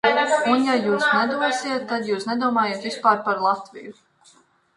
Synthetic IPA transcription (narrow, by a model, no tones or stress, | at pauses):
unjajuːsnɛd̪uɔsiɛt̪ːad̪juːsnɛd̪uɔmaːjeːt̪vispaːɾpaɾlˠat̪vḭju